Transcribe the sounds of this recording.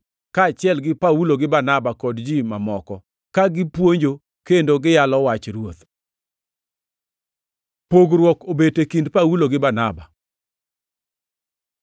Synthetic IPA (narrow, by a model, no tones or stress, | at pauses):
kaːt͡ʃɪɛlɡɪpawuloɡɪbanabakɔdd͡ʒimamɔkɔ | kaɡɪpwoɲd͡ʒo | kendoɡɪjalɔwat͡ʃɾwot̪ | poɡɾwɔkobetekindpawuloɡɪbanaba